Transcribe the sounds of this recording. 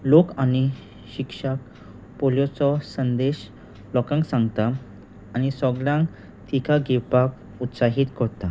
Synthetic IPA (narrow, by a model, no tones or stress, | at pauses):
lokani | ɕikʂak | poljɔt͡sɔsənd̪eɕ | lɔkãŋksãŋɡt̪aː | ñisɔɡljãŋk | t̪ikaɡepak | ut̪saɦiːt̪kɔɾt̪a